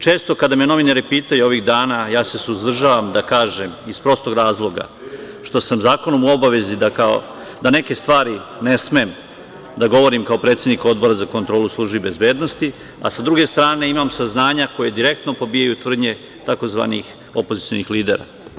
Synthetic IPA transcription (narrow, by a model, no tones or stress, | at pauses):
t͡ʃe̞ːst̪o̞kad̪ameno̞ʋinaɾepiːt̪ajuo̞ʋiɣd̪aːnajaːse̞suzd̪r̩ʒaːʋamd̪akaːʒe̞mispɾo̞st̪o̞ɡɾaːzlˠo̞ɡa̰ | ʃt̪o̞samzaːko̞nomuo̞baʋe̞zid̪akao̰ | d̪ane̞ke̞st̪ʋaːɾinesmem | d̪aɡo̞ʋo̞ɾimkao̞pɾe̞ːt̪sjed̪niko̞d̪bo̞ɾazako̞nt̪ɾo̞ːluslˠuːʒbibe̞zbe̞ːd̪no̞st̪i | a̰sad̪ɾuɡe̞st̪ɾaːne̞imamsaznaːɲako̞je̞d̪iɾe̞k̚t̪no̞po̞biːjajut̪ʋr̩d̪ɲe̞ | t̪ako̞zʋa̰ːnḭx | o̞pozit̪sio̞̰nixliːd̪e̞̰ɾa̰